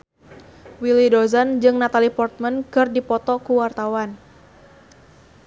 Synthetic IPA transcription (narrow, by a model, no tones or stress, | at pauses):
wilidɔzand͡ʒɨŋnat̪alipɔrt̪̚mənkɨrdipɔt̪ɔkuwart̪awan